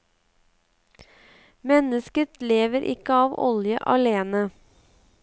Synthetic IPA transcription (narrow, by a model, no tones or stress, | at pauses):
mɛnəskət̪leːʋəɾʔɪ̰kəɑːʋɔ̰ljə̰ʔɑleːnə